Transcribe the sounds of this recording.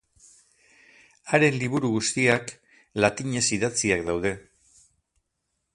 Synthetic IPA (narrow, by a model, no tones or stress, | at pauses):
aɾe̞nliβuɾuɣust̪iak | lat̪iɲe̞siðat͡siakd̪awð̞e̞